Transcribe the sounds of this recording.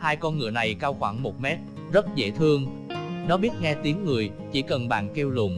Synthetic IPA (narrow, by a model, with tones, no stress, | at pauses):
haː˧jkɔ˧nŋɨ̰˧˩əna˨˩jkaː˧wxwaː˧˩ŋmo˨˩t̚mɛ˦˥t̚ | zə˦˥t̚zḛ˧˥t̪ʰɨ˧əŋ | nɔ˨˦ɓi˦˥ət̚ŋɛ˧t̪i˨˦əŋːɨ˨˩əj | t͡ɕḭ˧˩kə˨˩nɓa̰ː˧˨nki˧wlʊ̰˧˩ŋ͡m